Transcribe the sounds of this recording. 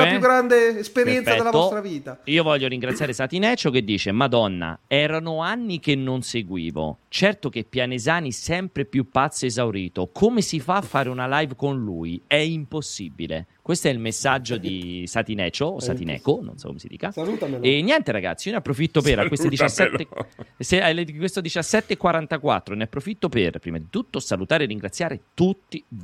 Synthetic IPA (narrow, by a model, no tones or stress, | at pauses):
ajuɡɾand̪eespeɾjɛnt̪saɛːtdelaost̪ɾaviːt̪aiːovɔʎːjːoɾiŋɡɾat̪sːjaːɾesat̪inɛːt͡ʃok̟ed̪ːiːt͡ʃemad̪ɔnːa̰ɛːɾanoanːikenːonseɡwḭːvo̰t͡ʃɛrt̪ok̟epːjanezaːnisɛmpɾepjupːat̪sːoezawɾiːt̪okʰomesifafːaːɾeunalajvkonlṵiɛimposːibḭlḛkwest̪oɛilmesːad͡ʒːod̪isat̪inɛ̰ːt͡ʃosat̪inɛ̰ːkono̰nsɔ̰kːo̰mesid̪ḭːkauenːjɛnt̪eɾaɡa̰t̪sijoneapːɾofit̪ːopeɾakwest̪od̪it͡ʃasːɛt̪ːeselkwest̪od̪it͡ʃasːɛt̪ːeːkːwaɾant̪akwa̰t̪ːɾoneapːɾofit̪ːoperpɾḭmad̪it̪ut̪ːosalut̪aːɾerːiŋɡɾat̪sːjaːɾet̪ut̪ːi